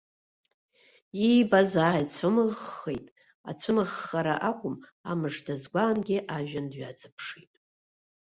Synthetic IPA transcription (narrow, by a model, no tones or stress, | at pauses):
ijbazaʕajt͡sʷʰɨmɨʁːejtʼ | a̰t͡sʷʰɨmɨʁːaɾaʔakʷʼʊma̰mɨʐdazɡʷaːnɡʲɪʔaʒᶣandɥad͡zʰʼɨpʰʂitʼ